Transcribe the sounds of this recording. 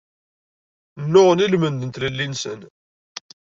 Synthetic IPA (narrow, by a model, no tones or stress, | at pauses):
nːʊʁənilmənd̪ənt̪ləlːinsən